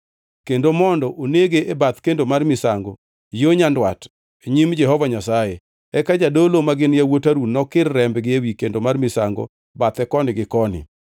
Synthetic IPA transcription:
kendomɔndɔʔoneɡeʔebat̪kendomarmɪsaŋɡɔ̰ | joɲandwa̰t | eɲimd͡ʒɛɦɔvaɲasaje | ɛkad͡ʒadolomaɡɪnjawotaɾunɔkɪrːɛmbɡɪewikendomarmɪsaŋɡo̰ | bat̪ɛkɔnɪɡɪkɔnɪ̰

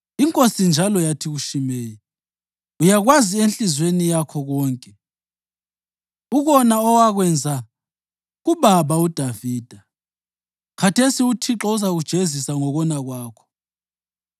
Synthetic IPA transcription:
iŋkʼosind͡ʒʱalɔjatʰiɣuʃimeːji | ujaɣwazienɬʼizwenijakʰɔɣɔːŋkʼɛ | uɣɔnaɔwaɣwɛnd͡zʱa | ɣuβaβaud̥ʱaviːd̥ʱa | kʰatʰesiutʰiǁɔuzaɣud̥ʒ̥ʱezisaŋɔɣɔnaɣwaːkʰɔ̥

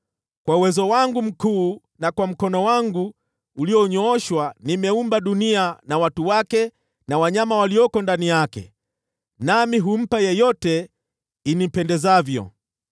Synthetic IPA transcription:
kwauwɛzɔwaŋɡum̩kuː | nakwam̩kɔnɔwaŋɡuː | liɔɲɔɔʃwanimɛumbaɗunianawatuwakɛ | nawaɲamawaliɔkɔndanijakɛ̰ | namiɦum̩pajɛjɔtɛ | inim̩pɛndɛzavjɔ̰

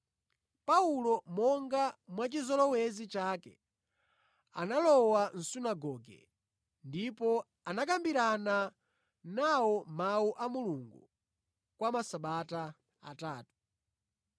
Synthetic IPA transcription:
paulɔmɔŋɡamwat͡ʃizɔlɔwɛzit͡ʃakɛ̰ | a̰nalɔwan̩sunaɡɔːɡɛ̰ | ndipɔ | anak̬ambiɾana | nawɔmauʔamuluŋɡu | kwamasaɓata | a̰taːtu̥

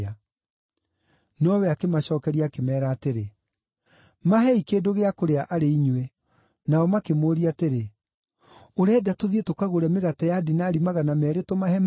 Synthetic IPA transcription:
a | nɔwɛakemaɕɔːkɛɾiaːkemɛːɾaːteɾe | maɦɛikeːdoɣeakoɾeaʔaɾeiɲwe | naɔmakemoːɾiateɾe | oɾɛdatoðietokaɣoɾɛmeɣatajaːdenaːɾimaɣanamɛːɾetomahɛm

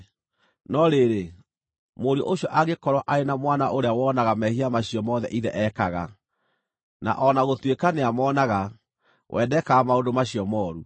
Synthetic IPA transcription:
nɔɾeɾe | moɾɔʔoɕɔʔaɣekɔɾwɔʔaenamwanaʔoɾeawɔːnaɣamɛhiamaɕijɔmɔðɛ̰ʔiðɛʔɛkaɣa̰ | na̰ʔɔnaɣotwekaneamɔːnaɣa | wʔɛdɛkaamaondomaɕiɔmɔɾu

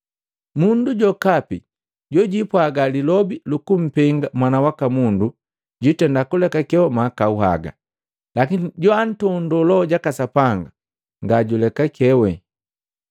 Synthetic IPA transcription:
munduɟɔkapḭ | ɟɔɟipwaɡalilɔbilukum̩pɛŋɡamwanawakamundu | ɟitɛndakulɛkakɛwɛmakauɦa̰ɡa̰ | lakiniɟɔan̩tɔndɔlɔɟakasapaŋɡa | ŋɡaɟulɛkakʰɛwɛ

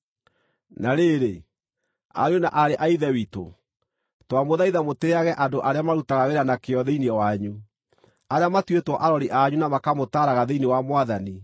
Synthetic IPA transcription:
naɾeɾe | a̰ɾona̰ʔaɾeʔaiðɛwito̰ | twamoðaiðamoteaɣɛʔadoʔaɾeamaɾutaɣaweɾanakeɔðeiniɔwaɲu | aɾeamatwetwɔʔaɾɔɾiʔaɲunamakamotaːɾaɣaðeinewamwaðani

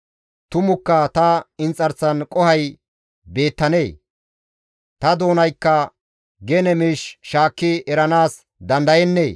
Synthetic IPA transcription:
t̪ʊmʊkːɐt̪ɐɪnt͡sʼːɐɾt͡sːɐnkʼɔhɐj | be̞ːt̪ːɐne̞ː | t̪ɐd̪o̞ːnɐjkːɐ | ɡenɛmiːʃʃaːkːɪʔɛɾɐnaːs | d̪ɐnd̪ɐjɛnːeː

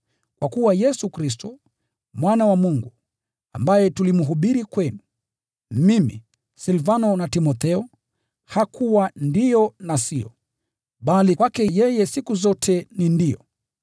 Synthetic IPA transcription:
kwakuwajɛsukɾis̬tɔ | mwanawamuŋɡu | ambajɛtulimuɦuɓiɾikwɛnu | mimḭ | silvanɔnatimɔθɛɔ | hakʰuwandijɔnasiɔ̰ | ɓalikwakɛjɛjɛsikuzɔtʰɛnindijɔ

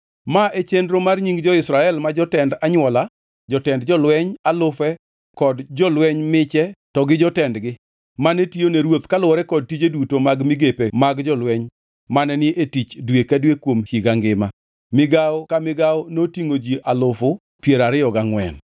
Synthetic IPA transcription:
maʔet͡ʃendɾomarɲiŋɡd͡ʒɔɪsɾaɛlmad͡ʒɔtɛndaɲwɔla | d͡ʒɔtɛndd͡ʒɔlwɛɲalʊfɛ | kɔdd͡ʒɔlwɛɲmɪt͡ʃɛtɔɡɪd͡ʒɔtɛndɡɪ | manetioneɾwot̪kalʊɔɾɛkɔd̚tid͡ʒedutomaɡmɪɡepemaɡd͡ʒɔlwɛɲ | manɛnɪʔetit͡ʃdwekadwekwomʃiɡaŋɡɪma | mɪɡaɔkamɪɡaɔnotiŋod͡ʒiʔalʊfʊ | pjeɾaɾɪjɔɡaŋwɛ̰n

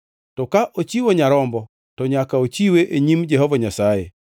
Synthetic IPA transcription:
tɔkaʔot͡ʃiwoɲaɾɔmbɔ | tɔɲakaot͡ʃiweʔeɲimd͡ʒɛɦɔvaɲasajḛ

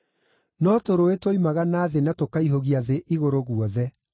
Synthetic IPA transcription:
nɔtoɾoetwoimaɣanaːðenatokaiɦoɣiaðeʔiɣoɾoɣuɔðɛ

